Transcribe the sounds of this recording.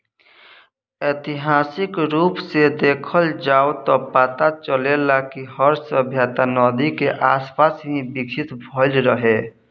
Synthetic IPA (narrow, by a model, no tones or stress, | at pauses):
et̪iɦaːsɪkɾuːpsed̪eːkʰəld͡ʒaːot̪ɔpaːt̪at͡ʃəlelakihəɾsəbʱjaːt̪anɔːd̪ikeʔaːspasɦĩbikt͡ʃʰit̪bʱəlɾəɦe